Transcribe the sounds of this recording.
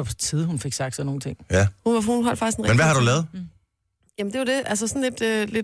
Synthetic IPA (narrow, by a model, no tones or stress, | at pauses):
ɒbt͡sʰiðˠhunfe̝ɡ̥sɑ̈ɡ̥d̥sɒno̝ːn̩t͡sʰe̝ŋ̰æhunhunɦɒl̰fɑɡ̥isɡ̥enmenʋæhɑ̈ɾ̥ulɛːð̩ˠ | jæmnd̥e̝jod̥e̝ʔæls̬əsɒ̽n̩le̝d̥øle̝